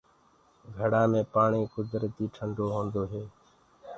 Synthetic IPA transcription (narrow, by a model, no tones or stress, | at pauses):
ɡʱəɽaːmẽːpaːɳiːkʊd̪ɾət̪iːʈʰəɳɖoːɦõːnd̪oːɦeː